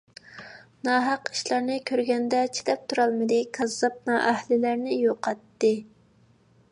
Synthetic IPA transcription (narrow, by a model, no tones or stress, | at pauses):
nɑːɦɑqi̥ʃlˠɑɾnɨkʲʰøɾɡʲɛnd̪ɛt͡ʃʰi̥d̪ɛp̚t̪ʰuɾɑlˠmɨd̪ɨkʰɑzɑp̚nɑʔæhlɪlæɾnɪjoqʰɑt̪ːɨ